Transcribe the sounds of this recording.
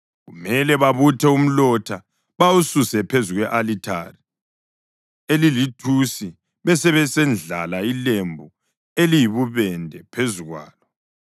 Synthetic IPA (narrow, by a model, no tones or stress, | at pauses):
ɣumɛlɛβaβutʰɛum̩lɔtʰa | βawususɛpʰezuɣwɛʔalitʰa̰ri | elilitʰusi | βɛsɛβɛsɛnd͡ɮʱa̰lailembʱu | elijiβuβɛndʱɛpʰezuɣwa̰ːlɔ